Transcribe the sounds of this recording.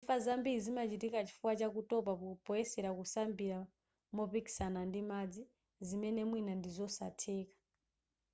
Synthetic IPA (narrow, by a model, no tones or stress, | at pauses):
fazambiɾizimat͡ʃitikat͡ʃi̥fuwat͡ʃakutɔp̬akupɔjɛsɛɾakusambiɾa | mɔpiki̥sanandimad͡zi | zimɛnɛmwinandizɔsa̰tʰɛːkḁ